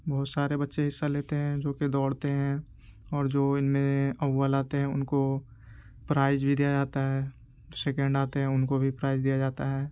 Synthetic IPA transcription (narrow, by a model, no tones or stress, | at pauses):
bɔɦʊt̪saːɾebɐtːʃeɦɪsːaleːt̪eɦɛ̃d͡ʒoːked̪ɔːɽt̪eɦɛ̃ | ɔːɾd͡ʒoːɪnmẽɐːalaːt̪eɦɛ̃ʊ̰nko | pɾaːɪzbʱid̪ijad͡ʒaːt̪aɦɛː | seːkɛ̃ɳɖaːt̪eɦɛ̃ʊnkobʱipɾaːɪzd̪ijad͡ʒaːt̪aɦɛː